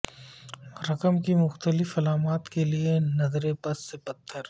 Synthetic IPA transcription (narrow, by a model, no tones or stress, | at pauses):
ɾɐkəmkimʊxt̪əlɪfɐlaːmaːt̪kelienɐzɾẽpɐsːepɐt̪ʰːəɾ